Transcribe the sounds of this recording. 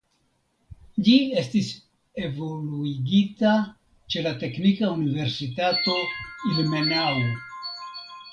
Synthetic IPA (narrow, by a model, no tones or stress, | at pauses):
d͡ʒie̞stis | e̞vo̞luiɡita | t͡ʃe̞late̞knikaunive̞ɾsitato̞ilme̞nawo